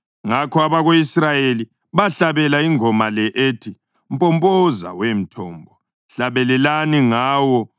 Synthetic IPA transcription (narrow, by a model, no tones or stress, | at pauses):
ŋakʰɔaβaɣoisrajeli | βaɬaβɛlaiŋɔmalɛʔetʰi | m̩pʼɔmpʼɔza̰wem̩tʰɔːmbʱɔ | ɬaβɛlɛlaniŋaːwɔ